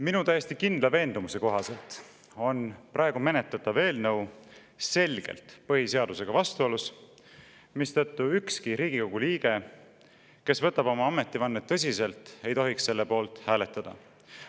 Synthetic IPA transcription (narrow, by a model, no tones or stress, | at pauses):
minut̪æjesʲt̪ikind̪̥lɑve̞ːnd̪umuse̞ko̞ɦɑse̞lt̪ | o̞nprɑe̞ɡ̥ume̞ne̞t̪ːˑɑt̪ːˑɑve̞ːlnɤw | se̞lʲɡ̥e̞̰lt̪pɤhise̞ɑd̪̥use̞ɡ̥ɑvɑst̪uo̞lus | mist̪ɤt̪ˑːuykskiɾiːɡ̥iko̞ɡ̥uliːɡ̥e̞ | ke̞svɤt̪ːˑɑbo̞mɑɑme̞t̪ːˑivɑnːet̪ːɤsʲise̞lt̪e̞jt̪o̞ɦiksse̞lːe̞po̞ːlt̪ˑhæːle̞t̪ːˑɑd̪̥ɑ̰